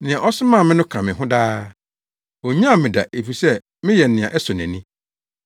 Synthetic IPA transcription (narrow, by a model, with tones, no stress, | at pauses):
nɪ̃˨ã˨ʔɔ˦sɪ˦mã˦˨mɪ̃˦nʊ̃˦kʰã˨mɪ̃˨ɦʊ̃˦daː˦ | wo˨ɲã˦a˨mɪ̃˨da̰˨ʔe˨fi˨sɛ˦ | mɪ̃˦jɛ˨nɪ̃˨ã̰˨ʔɛ˦sɔ˨nɛ̰̃˨nɪ̃˦